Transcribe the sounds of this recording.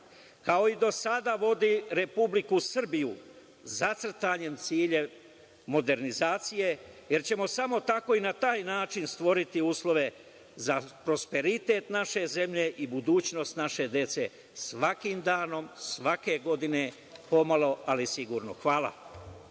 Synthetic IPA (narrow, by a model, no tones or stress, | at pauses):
kao̞id̪o̞sad̪aʋo̞d̪iɾe̞publikusr̩biju | zat̪sr̩t̪aɲe̞mt̪siːʎe̞ | mo̞d̪e̞ɾnizaːt̪sije̞ | jeɾt͡ɕe̞mo̞samo̞t̪ako̞inat̪aːjnaːt͡ʃinst̪ʋo̞ɾit̪iuːslˠo̞ʋe̞ | zapɾo̞spe̞ɾit̪e̞ːt̪naʃe̞ze̞mʎe̞ʔibud̪uːt͡ɕno̞st̪naʃe̞d̪je̞t̪se̞ | sʋakimd̪aːno̞msʋake̞ɡo̞d̪ine̞ | po̞malˠo̞alisiɡuːɾnoxʋaːlˠa̰